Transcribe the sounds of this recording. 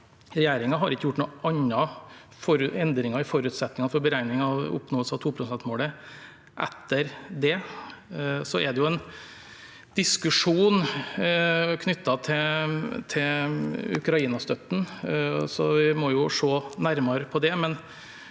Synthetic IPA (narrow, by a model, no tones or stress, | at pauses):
ɾɛjæːɾɪŋɑɦɑɾɪkːəjʊʈːnuːɑɲːɑ | fɔɾʉɛnd̪ɾɪŋɑɪfɔɾʉːt̪sɛt̪nɪŋɑnfɔɾbəɾæɪnɪŋɑʊ̰pnoːsɑt̪ʰuːpʰɾʊsɛnt̪moːlə | ʔɛ̰t̪ːəɾd̪ɛ | sɔʔɛd̪ɛjʊɛn | d̪̥ɪskʉʂuːn | kʰnʏt̪ːɑt̪ʰɪt̪ʰɪ | ʉ̰kɾɑiːnɑst̪œt̪ːn̩sɔʋɪmɔjʊʂoːnæɾmɑɾəpʰɔd̪ɛmɛn